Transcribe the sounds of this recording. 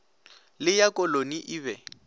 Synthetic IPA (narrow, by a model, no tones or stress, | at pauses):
lɪjakʼɔloniʔiːβɛ